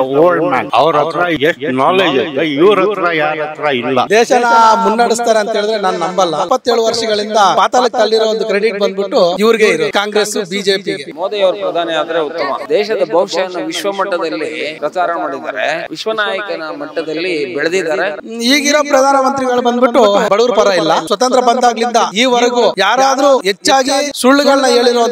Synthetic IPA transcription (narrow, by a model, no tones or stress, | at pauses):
oːɭɖna̰ːnɐʋɾɐt̪ːɾɐeʂʈnaːleːd͡ʒɐɡ̪ɐiʋɾɐt̪ːɾɐjaːɾɐt̪ːɾɐilːɐ̰d̪ɛːʃɐnaːmunːɐɽist̪aːɾeɐnt̪ɦe̞ːɭid̪ɾenaːnunɐmbɐlːɐpːɐt̪ːeːɭuʋɐɾʂɐɡɐɭind̪ɐpaːt̪aːlɐk̚t̪ɐlːiɾoond̪ukɾe̞ɽiʈ̚bɐnd̪biʈːuiʋɐɾiɡe̞iɾukaːŋɡɾesubiːd͡ʒe̞ːpiɡemoːd̪ɐjɐʋɾɐpɾɐd̪ʱaːnɛaːd̪ɾeut̪ːɐmɐ̰d̪ɛːʃɐd̪ɐbʱɐʋʃɐjɐnːuʋiʃʋɐmɐʈːɐd̪ɐlːipɾɐt͡ʃaːɾɐɳɐmaːɽid̪a̰ːɾḛʋiʃʋɐnaːjɐkɐnɐmɐʈːɐd̪ɐlːibɛɭɐd̪id̪aːɾe | iːɡiɾoːpɾɐd̪ʱaːnɐmɐnt̪ɾiɡɐɭubɐnd̪biʈːubɐɭuːɾpɐɾɐilːɐsʋɐt̪ɐnt̪ɾɐbɐnd̪aːɡlind̪ɐiːʋɐɾɐɡujaːɾaːd̪ɐɾuːɦet͡ʃːaːɡisuɭːuɡɐɭnɐe̞ːɭiɾoː